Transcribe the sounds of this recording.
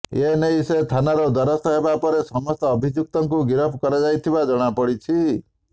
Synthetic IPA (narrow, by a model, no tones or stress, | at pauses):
enejset̪ʰanaɾɔd̪ɔɾɔst̪ɔɦebapɔɾesɔmɔst̪ɔːbʱid͡ʒuk̚t̪ɔŋkuɡiɾɔpʰkɔɾad͡ʒajt̪ʰibad͡ʒɔɽ̃apɔɽit͡ʃʰi